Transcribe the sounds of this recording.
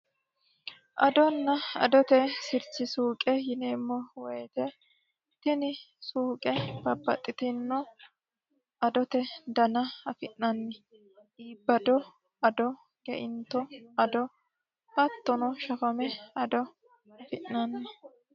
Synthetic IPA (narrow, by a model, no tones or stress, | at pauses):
ʔɐd̪ɔnːɐɐ̰d̪ɔt̪ɛsɪɾt͡ʃːɪsuːkʼɛjɪneːmːɔwɛjt̪ɛ | t̪ɪnɪ | suːkʼɛb̥ɐbːɐ̰t̪ʼːɪt̪ɪnːɔ | ʔɐd̪ɔt̪ɛd̪ɐnɐɐfɪʔɐnːɛ | iːbːɐd̪ɔ | ɐd̪ɔ | ɡ̥ɛ̰ʔɪnt̪ːɔɐd̪ɔ | hɐt̪ːɔnɔʃɐfɐmɛɐd̪ɔ | ɐfɪʔnɐnːɛ